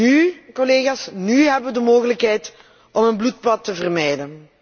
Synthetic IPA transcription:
ykɔleːɣaːsnyɦɛbəʋədəmoːɣələkɦɛjt | ɔmənblut̚pɑtːəvərmɛjdən

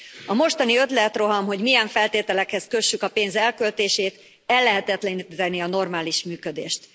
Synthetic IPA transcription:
ɒmo̞ʃt̪ɒniø̞t̪lɛt̪ro̞ɦɒmɦo̞ɟmijɛɱfɛlt̪eːt̪ɛlɛkhɛskø̞ʃːykɒpeːnzɛlkølt̪eːʃeːt̪ | ɛlːɛɦɛt̪ɛt̪lɛnt̪ɛniɒno̞rmaːliʃmyːkød̪ḛːʃt̪

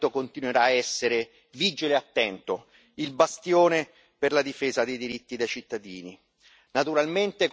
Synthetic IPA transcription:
t̪okont̪inweɾaːɛsːeɾe | viːd͡ʒileat̪ːɛnt̪o | ilbast̪joːne | perlad̪ifeːzad̪ejd̪iɾit̪ːid̪ejt͡ʃit̪ːad̪iːni | nat̪uɾalment̪ek

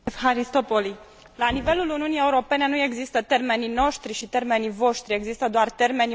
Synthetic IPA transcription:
fɦaɾist̪o̞poli | lanive̞luluniunije̞uɾo̞pe̞ne̞nue̞ɡzist̪ət̪e̞rme̞nno̞ʃt̪ɾiʃit̪e̞rme̞nivo̞ʃt̪ɾie̞ɡzist̪əd̪oart̪e̞rme̞n

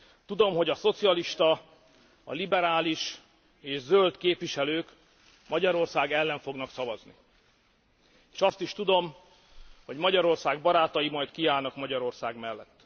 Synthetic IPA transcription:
t̪ud̪o̞mɦo̞ɟɒso̞t̪sijɒliʃt̪ɒ | ɒ̰libɛɾaːliʃ | eːʒzølt̪keːpʋiʃɛløːk | mɒɟɒɾo̞rsaːɡɛlːɛɱfo̞ɡnɒksɒvɒznḭ | eːʃɒst̪iʃt̪ud̪o̞m | ho̞ɟmɒɟɒɾo̞rsaːɡbɒɾaːt̪ɒjimɒjt̪kiaːlnɒkmɒɟɒɾo̞rsaːɡmɛlːɛt̪ː

